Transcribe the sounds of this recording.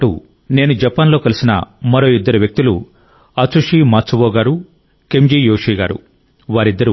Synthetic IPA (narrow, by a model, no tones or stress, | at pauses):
ʈṵ | ne̞ːnud͡ʒɐpaːnlo̞ːkɐlisinɐ̰mɐɾo̞ːid̪ːɐɾuʋjɐk̚t̪ilṵ | ɐt͡ʃuʂiːmaːt͡sːɐʋɔːɡaːɾu | kemd͡ʒiːjoːʂiːɡaːɾṵ | ʋaːɾid̪ːɐɾu